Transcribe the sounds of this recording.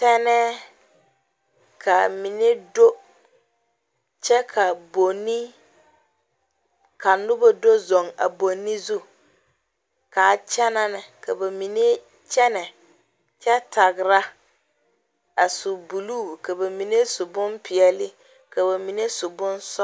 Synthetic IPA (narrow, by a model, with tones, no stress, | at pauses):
tɛ˦nɛ˦ | kʰa˨mi˨ne˦do˦ | t͡ʃɛ˦kʰa˨bo˨nːi˦ | ka˨nʊ˦ba˦do˦zo˨ŋa̰˨bo˨nːi˦zu˦ | ka˨t͡ʃɛ˦na˦nɪ˨ka˨ba˨mi˨ne˦ | t͡ʃɛ˦nɛ˨ | t͡ʃɛ˦ta˨ɡɪ˨ɾa˦ | a˨sʊ˨bu˨luː˦˨ka˨ba˨mi˨ne˦sʊ˨bʊ˦mpɪ˨ɛ˨lɪ˦ | ka˨ba˨mi˨ne˦sʊ˨bʊ˦nsɔ˦